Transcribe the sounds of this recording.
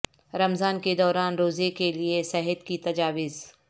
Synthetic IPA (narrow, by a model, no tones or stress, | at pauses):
ɾɐmzaːnked̪ɔːɾaːnɾoːzekeliesɛɦət̪kit̪ɐd͡ʒaːʋɪz